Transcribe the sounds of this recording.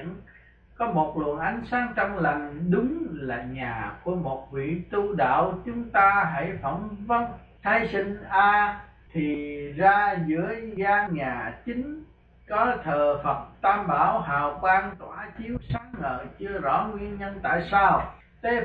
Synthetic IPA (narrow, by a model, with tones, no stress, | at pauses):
ən | kɔ˨˦mo˨˩t̚lwə̰˨ənʔa˨˦jŋ̟saː˨˦˥ŋt͡ɕɔ˧wŋ͡mlə˨˩ŋ̟ɗʊ˨˦ŋ͡mlaː˨˩ɲaː˨˩ku˧˩əmo˨˩t̚vḭ˧˨t̪u˧ɗa̰ː˧˨wt͡ɕʊ˨˦ŋ͡mt̪aː˧ɦə̰˧˥˨jfə˧˩mvə˧n | t̪ʰaː˧jsï˧ŋ̟ʔaː˧ | t̪ʰi˨˩zaː˧zɨ̰˧˥əjɣaː˧ɲaː˨˩t͡ɕï˨˦ŋ̟ | kɔ˨˦t̪ʰəː˨˩fə˨˩t̚t̪aː˧mɓaː˧˩wɦa̰ː˧˨˩wɓaː˧ŋt̪waː˧˩t͡ɕi˨˦əwsaː˨˦˥ŋə̰ː˧˨t͡ɕɨ˧əzɔ̰˧˥ŋwi˧ənɲə˧nt̪a̰ː˧˨jsaː˧w | t̪ʰe˨˦